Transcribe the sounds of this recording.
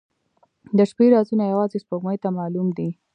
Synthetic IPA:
d̪əʃpeɾɑzunajawɑzespoɡməjt̪amɑlumd̪i

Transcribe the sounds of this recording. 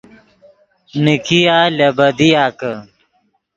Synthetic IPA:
nikijaːlɐbɐd̪ijaːkə

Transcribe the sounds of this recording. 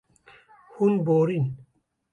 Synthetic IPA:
hunboːɾin

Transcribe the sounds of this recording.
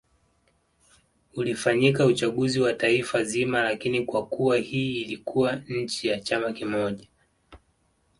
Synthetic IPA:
ulifaɲikaut͡ʃaɠuziwataifazimalakinikwakuwahiːlikuwaɲ̩t͡ʃijat͡ʃamakimɔʄa

